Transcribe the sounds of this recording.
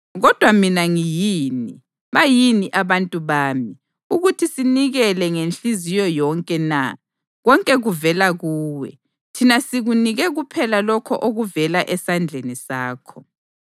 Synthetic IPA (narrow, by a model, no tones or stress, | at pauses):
ɣɔd̥ʱwaminaŋijiːni | βajiniʔaβantʼuβaːmi | uɣutʰisiniɣɛlɛŋent͡ɬʼizijɔjɔŋkʼɛna | ɣɔŋkʼɛɣuvɛlaɣuːwɛ̰ | tʰinasiɣuniɣɛɣupʰɛlalɔkʰɔʔoɣuvɛlaʔɛsand͡ɮʱenisaːkʰɔ